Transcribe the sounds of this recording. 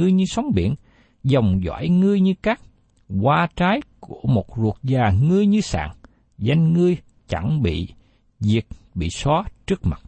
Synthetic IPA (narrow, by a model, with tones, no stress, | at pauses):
ɨ˧əjɲɨ˧sa˨˦wŋ͡mɓḭ˧˨ən | zɔ˨˩wŋ͡mzwa̰ː˧˥jŋɨ˧əjɲɨ˧kaː˦˥k̚ | ɣwaː˧t͡ɕaː˨˦jku˧˩əmo˨˩t̚zu˨˩ət̚zaː˨˩ŋɨ˧əjɲɨ˧sa̰ː˧˨ŋ | za˧jŋ̟ŋɨ˧əj | t͡ɕa˧˩ŋɓḭ˧˨ | zi˨˩ət̚ɓḭ˧˨sɔ˨˦t͡ɕɨ˦˥ək̚ma˨˩t̚